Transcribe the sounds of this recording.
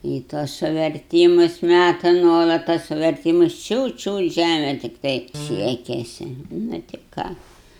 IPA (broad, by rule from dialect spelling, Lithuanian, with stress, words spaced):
iː ˈtuɔs sʊʋʲɛrʲˈtʲiːmʊs ˈmʲætɐ ˈnuɔlˠɐt tɐs sʊʋʲɛrʲˈtʲiːmʊs ˈt͡ʃʲuːt ˈt͡ʃʲuːt ˈʒʲæmʲɛ tʲɪkˈtɐɪ ˈsʲiɛkʲɛsʲɪ nʊ tʲɪ ˈkɑː